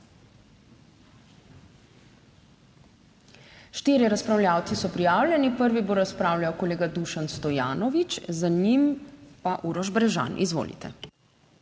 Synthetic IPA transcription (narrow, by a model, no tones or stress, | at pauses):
ʃt̪iːɾiɾaspɾawlʲjaːwt̪sisɔpɾijaːwlʲjɛnipəɾʋiboɾaspɾaːwljajɔkɔleːɡad̪uʃanst̪ɔjaːnɔʋit͡ʃzaɲimpaʔuːɾɔʒbɾɛʒa̰nʔḭzʋo̰ːlḭt̪ɛ̰